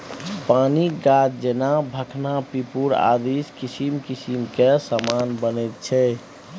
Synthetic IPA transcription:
paniɡatd͡ʒenabʱəkʰnapipuɾa̰d̪iskisimkisimkesamanbənɛt̪̚t͡ʃʰɛ

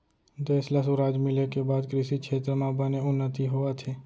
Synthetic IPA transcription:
d̪eːslɐsuɾaːd͡ʒmɪlekebaːd̪kɾɪʃikʃʰeːt̪ɾəmãbəneʊnːət̪iɦoat̪ʰeː

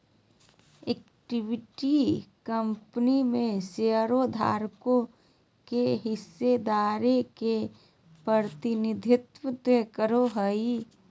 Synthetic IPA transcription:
ek | ʈɪʋɪʈikəmpnimẽseəɾod̪ʱa̰ːɾkõ | keɦɪsːed̪aːɾeke | pɾəɾt̪ɪnɪd̪ʱɪt̪wət̪ekəɾoɦəi

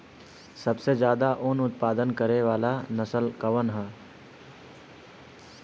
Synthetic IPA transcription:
sɐbsed͡ʒjaːd̪aʔʊnʊt̪̚paːd̪ənkɐɾeʋaːlanɐsəlkɐʋənɦɛː

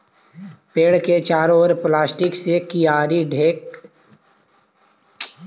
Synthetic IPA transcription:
peːɽket͡ʃaːɾoːɾplaːsʈɪksekijaːɾiɖʱeːk

